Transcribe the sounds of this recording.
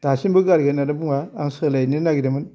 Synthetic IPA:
d̥asinbəɡaɾɡənadɐbuŋaːŋsəlajninaɡidemən

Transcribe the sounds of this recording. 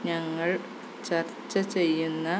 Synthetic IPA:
ɲɐŋːɐɭ | t͡ɕɐrt͡ɕːɐt͡ɕe̞jːunːɐ

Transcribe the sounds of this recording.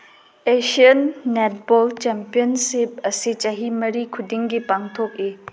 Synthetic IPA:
esiənːet̚bɔlt͡ʃɛmpijənsip̚ɐsit͡ʃɐɦimɐɾikʰudiŋɡipaŋtʰok̚e

